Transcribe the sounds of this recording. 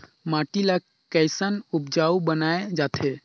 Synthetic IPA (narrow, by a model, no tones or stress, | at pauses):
maʈila | kəjsənupd͡ʒaubənaed͡ʒat̪ʰe